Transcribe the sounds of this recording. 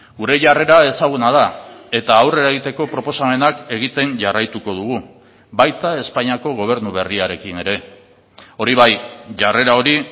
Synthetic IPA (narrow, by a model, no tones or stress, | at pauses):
ɡuɾe̞ʝare̞ɾae̞saɣ̞unað̞ae̞t̪aːwre̞ɾaɣit̪e̞ko̞pɾo̞po̞same̞nake̞ɣ̞it̪e̞nʝarajt̪uko̞ðuɣ̞u | bajt̪ae̞spaɲiako̞ɣ̞o̞β̞e̞ɾnuβe̞riaɾe̞kine̞ɾe̞ | o̞ɾiβajʝare̞ɾao̞ɾi